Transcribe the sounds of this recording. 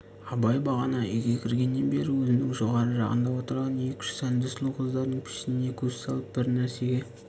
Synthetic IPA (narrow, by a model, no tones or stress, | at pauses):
ɑbɑjbɑʁɑnɑiɡʲekʲʰɪɾɡʲe̞nːe̞nbe̞ɾɪwɵzɪnɪŋʒo̞ʁɑɾəʒɑ̰qə̰nd̪ɑwo̞t̪əɾʁɑne̞kʲɪ̥ʃɪ̥sænd̪ɪslˠuwqʰəzd̪ɑɾd̪əɴpʰɪ̥ʃɪnɪne̞kʲʰɵzsɑlˠəp̚bɪɾnæɾse̞ɡʲe̞